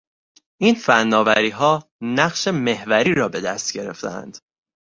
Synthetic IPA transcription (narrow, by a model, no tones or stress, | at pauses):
ʔiːnfænːɒːvæɾiːɦɒːnæɢʃe̞me̞hvæɾiːɾɒːbe̞d̪æst̪̚ɟe̞ɾe̞̰ft̪ḛæ̰nd̪̥